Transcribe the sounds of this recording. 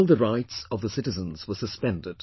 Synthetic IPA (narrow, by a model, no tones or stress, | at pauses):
lˠðəɹaɪtsʌvðəsɪɾɨzə̃nz̥wə˞sɨspɛ̃ndɪd̥